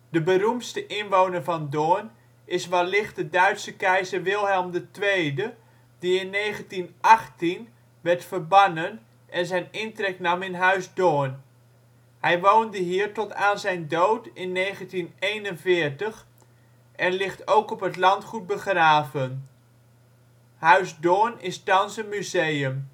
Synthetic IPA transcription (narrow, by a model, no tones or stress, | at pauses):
d̥əbəɾumtstəʔɪnʋownəɹvɑndoːn | ʔɪsʋɑlɪχt̚dədœɥtsəkɛjzəɹʋɪlˠɦɛlˠmdətʋejdə | diɪnːejχəntinʔɑχtin | ʋɛɹtfəɹbɑnən | ʔɛnzɛjnɪntrɛk̚nɑmɪnɦœɥzdoːən | hɛjʋowndəɦiːɹtɔtaːnzɛjndowtɪnːejχəntinejnənvɪːɹtəχ | ʔɛnlɪχtowkɔpɦətlɑntχut̚bəχraːvən | ɦœɥzdonɪstɑnsənmyzejəm